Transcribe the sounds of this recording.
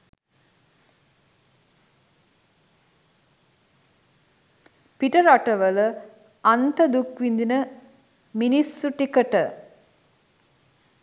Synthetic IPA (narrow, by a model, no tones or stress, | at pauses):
piʈəɾaʈəʋələ | ant̪əd̪ukʋind̪inə | minisːuʈikəʈə